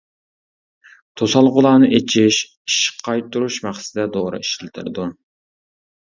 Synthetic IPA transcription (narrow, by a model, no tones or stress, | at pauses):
t̪ʰosɑlˠʁʊlˠɑːnɨʔet͡ʃʰiʃ | iʃqʰːɑjt̪ːuɾuʃmæχsɪd̪ɛd̪oʁɾɨ̰i̥ʃɪlt̪ʰɨ̰ɾd̪u